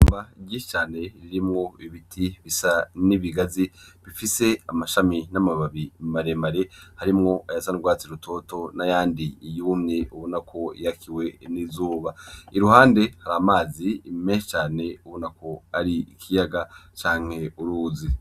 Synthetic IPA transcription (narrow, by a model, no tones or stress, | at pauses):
uːmbaiɟiːʃi̥t͡ʃaːne̞ɾiɾimŋo̞iβitʰiβisaniβiɡaziβifise̞amaʃaminamaβaβimaɾemaɾe̞haɾimŋo̞ajasanuɾɡwaːt͡siɾutʰo̞to̞najaːndiːjuːmɲe̞uβonakʰo̞jakʰiwe̞nizuːβaiɾuhaːnde̞haɾaːmaːziːmeʃt͡ʃaːne̞uβonakʰo̞aɾiikʰijaɡat͡ʃaːŋ̥he̞uɾuːzi